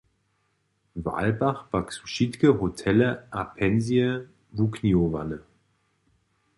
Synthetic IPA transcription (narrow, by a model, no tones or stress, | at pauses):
va̰lbaχb̥aksu̥ʃitkəɦotʰɛləʔapʰɛnzjə | vukniova̰nə